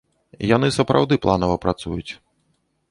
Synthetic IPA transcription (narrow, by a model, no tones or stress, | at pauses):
jan̪ɨsɐpɾa̰wd̪ɨplˠanɐvɐpɾʔat̪sujut͡sʲ